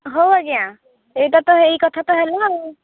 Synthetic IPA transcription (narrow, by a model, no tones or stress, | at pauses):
ɦowaɡjã | ejʈat̪ɔɦejkɔt̪ʰat̪ɔɦeleɦɔ